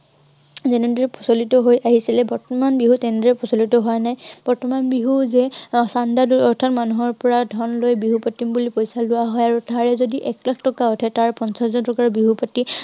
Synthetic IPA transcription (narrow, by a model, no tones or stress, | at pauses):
zɛnɛdɹɛpʰɔsolitɔɦojʔaɦisilɛbɔɹtɔmanbiɦutɛndɹɛpʰɔsolitɔɦɔjnajb̥ɔɹtɔmanbiɦuzɛsandaduɔɹtʰatmanuɦɔɹpɔɹadʱɔnlojbiɦupatːimbulipojsalʊwaɦɔjaɹutaɹɛzodiʔɛklakʰtɔkaɔtʰɛtaɹpɔnsaszɔntɔkaɹbiɦupati